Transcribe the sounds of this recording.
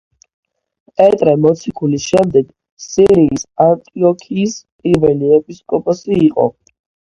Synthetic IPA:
pʼɛt̪ʼɾɛmɔt̪sʰikʰulisʃɛmd̪ɛɡ | siɾiːsant̪ʼiɔkʰiːspʼiɾvɛliɛpʼiskʼɔpʼɔsiːqʼɔ̰

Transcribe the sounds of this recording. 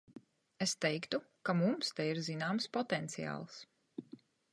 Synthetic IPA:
est̪ɛjkt̪u | kamumst̪ɛiɾzinaːmspɔt̪ɛnt̪sija̰ːlˠs

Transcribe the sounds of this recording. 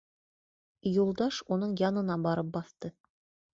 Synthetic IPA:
julˠd̪ɑʃunɤɴjɑnɤ̆nɑbɑɾɤp̚bɑθt̪ɤ

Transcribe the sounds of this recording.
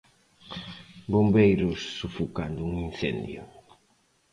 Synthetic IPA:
bombejɾʊsːufukand̪ʊuŋinθɛ̰nd̪jʊ̰

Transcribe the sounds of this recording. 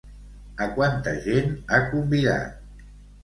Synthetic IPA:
əkwant̪əʒenakumbiða̰t̪̚

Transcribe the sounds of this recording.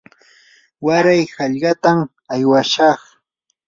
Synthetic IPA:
waɾajhɑʎɢɑt̪am | ajwaʃɑχ

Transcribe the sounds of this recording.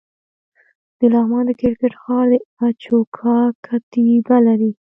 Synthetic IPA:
d̪̥əlɑɣmɑnd̪əkɪɾkeʈxɑɾd̪əat͡ʃokʰɑkʰat̪ibalaɾi

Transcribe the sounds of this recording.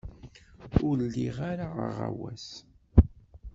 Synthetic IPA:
ʊɾlːiʁaɾaə̰ʁa̰wæs

